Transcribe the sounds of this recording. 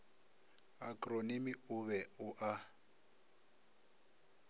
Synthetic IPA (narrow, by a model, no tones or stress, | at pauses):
akʼronimiʊβɛʊʔa